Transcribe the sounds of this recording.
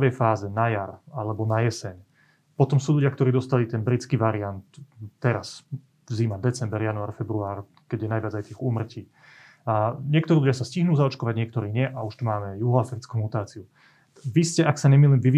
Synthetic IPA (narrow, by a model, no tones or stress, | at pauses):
ʋɛjfaːzɛnajaɾalɛbɔnajɛsɛɲ | pɔt̪ɔmsuːʎuɟɪakt̪ɔɾiːd̪ɔst̪alit̪ɛnbɾit͡skiːʋaɾiant̪ːɛɾas | ziːmad̪ɛt͡sɛmbɛɾjanuaːɾfɛbɾuaːɾ | kɛɟjɛnajʋɪad͡zajt̪iɛːxuːmr̩ciː | ɲɪɛkt̪ɔɾiːʎuɟjasasciɦnuːzaɔt͡ʃkɔʋaɟɲɪɛkt̪ɔɾiːɲɪɛʔauʃt̪umaːmɛjuɦɔafɾit͡skuːmut̪aːt͡siu | ʋiscɛʔaksaɲɛmiliːmʋiʋ